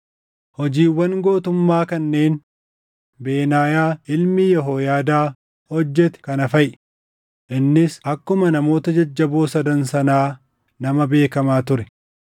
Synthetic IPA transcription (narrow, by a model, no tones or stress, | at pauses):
hɔd͡ʒiːwːɐŋɡo̞ːt̪ʊmːaːkɐnːe̞ːn | beːnaːjaːɪlmɪjɛɦoːjaːd̪aː | hɔd͡ʒːɛt̪ɛ̥kɐnɐfɐjʔ | ʔɪnːɪsɐkːʊmɐnɐmo̞ːt̪ɐd͡ʒɐd͡ʒːɐboːsɐd̪ɐnsɐnaː | nɐmɐbe̞ːkɐmaːt̪ʊɾɛ̥